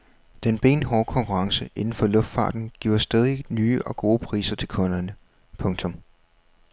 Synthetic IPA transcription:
d̥enb̥e̝̰ːnɦɒːkʰɒ̽ŋkʰuʁɑ̈ŋsəʔe̝nn̩fɒ̽lɔ̽fd̥fɑ̰̈ːd̥n̩ɡ̥iʊ̰ɐsd̥ɛð̞ˠinyːəʔɒ̽ɡ̥o̝ːpʰʁḭːsɐt͡sʰe̝lkʰɔ̽nɐnə | pʰɔ̽ŋt͡sʰɔ̽m

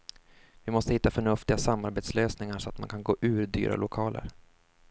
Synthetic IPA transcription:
vɪmɔst̪əhɪt̪ːafœɳɵft̪ɪɡasamːaɾbeːt̪sløːsnɪŋaʂɔat̪mankʰanɡoːʔʉ̟ːɾd̪y̰ːɾa̰lʊkʰɑːlʔə̰ɾ

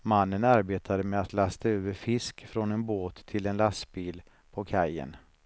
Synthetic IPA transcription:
manːənaɾbeːt̪ʰad̪əmɛat̪last̪aøːvəɾfɪskfɾɔnɛnboːt̪ʰːɪlɛnlasbiːl | pʰɔkʰajə̰n

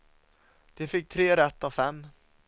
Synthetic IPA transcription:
d̪̥ɛfɪk̚ːt̪ʰɾeːɾɛt̪ːavfɛmː

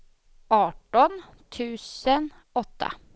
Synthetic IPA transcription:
ɑːʈɔn | t̪ʰʉːsən | ɔt̪ʰːa̰

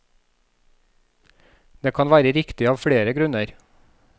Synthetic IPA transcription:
d̪̥eːkʰɑnʋæːɾəɾɪkt̪ɪɑːʋfɽeːɾəɡɾʉnəɾ

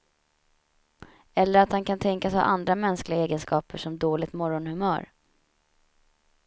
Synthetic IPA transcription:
ɛlːəɾat̪hankʰant̪ʰɛŋkasha̰ʔand̪ɾamɛnsklɪɡaeːɡənskɑːpəʂɔmd̪oːlɪɡt̪mɔɾɔnhɵmœ̰ːɾ

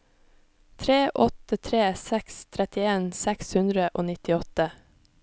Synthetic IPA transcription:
t̪ʰɾeːʔɔt̪ət̪ʰɾeːsɛkst̪ʰɾɛt̪ɪeːnsækshʉnd̪ɾəʔoːnɪt̪ɪɔt̪ə

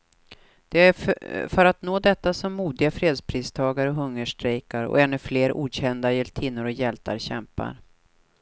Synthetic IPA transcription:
d̪̥ɛæfœɾat̪noːd̪ɛt̪ːasɔmːuːd̪ɪɡafɾeːd̪spʰɾiːst̪ʰɑːɡaɾəɔɦɵŋːəʂʈɾɛjkaɾɔ̰ɛnːɵfleːɾʔṵːd̪ɕɛnd̪ajɛlt̪ʰiːnːʊɾɔjɛlt̪ʰa̰ɾɕɛ̰mpa̰ɾ

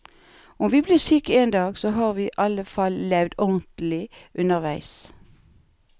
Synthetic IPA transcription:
ʊmʋiːbliːʁsyːkəeːnd̪ɑːɡsoːɦɑːʁʋiːʔɑləfɑlːɛʋd̪ɔnt̪l̩ɪʔʉnəʁʋæɪs

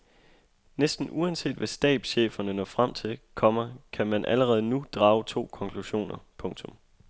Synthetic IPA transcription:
nesd̥n̩uænse̝̰ːd̥ʋæsd̥ɛ̰ːb̥ɕḛːfɐnənɒfʁam̰t͡sʰe̝lkʰɒ̽m̰ɐkʰæmænʔæləʁɛːð̞̩ˠnud̥ʁɑ̈ːʊt͡sʰo̝̰ːkʰɒ̽ŋkʰluɕo̝̰ːnɐpʰɔ̽ŋt͡sʰɔ̽m

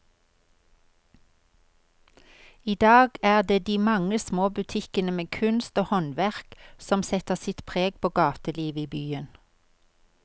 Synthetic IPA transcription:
iːd̪ɑːɡæːʁd̪eːd̪iːmɑŋəsmoːbʉt̪ʰɪkənəmeːkʰʉnst̪oːhɔnʋæʁksɔmsɛt̪əʁsɪt̪pʰʁeːɡ̚pʰoːɡɑːt̪əliːʋəiːbyːən

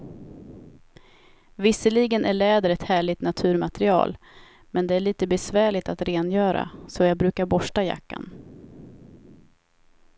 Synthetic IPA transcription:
vɪsːəliɡənæɭɛːd̪əɾɛt̪hæːɭɪt̪nat̪ʰʉ̟ːɾmat̪ɾɪɑ̰ːl | mɛnd̪ɛæɭiːt̪əbɛsvæːɭɪt̪at̪ɾeːnjœːɾa̰sɔjɑːɡ̚bɾʉ̟ːkaɾbɔʂʈaja̰kːa̰n

